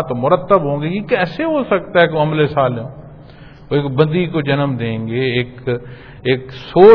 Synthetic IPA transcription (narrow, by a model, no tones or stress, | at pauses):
t̪omʊɾət̪ːəbɦõːŋɡeɡikɛːseɦoːsək̚t̪aɦɛkeoɐmlesaːleõː | oekbə̃nd̪ikod͡ʒənəmd̪ẽːŋɡeːk | eːksoː